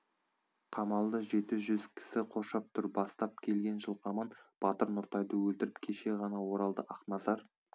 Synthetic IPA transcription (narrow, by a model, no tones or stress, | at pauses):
qʰɑmɑlˠd̪əʒe̞t̪ɪʒʏzkʲʰɪ̥sɪqʰo̞ʃɑp̚t̪ʰʊɾbɑst̪ɑp̚kʲʰe̞lɡʲe̞nʒəlˠqʰɑmɑnb̥ɑt̪əɾnʊɾt̪ɑjd̪əwɵlt̪ɪɾɪpkʲʰe̞ʃe̞ʁɑnɑwo̞ɾɑlˠd̪əʔɑqnɑzɑɾ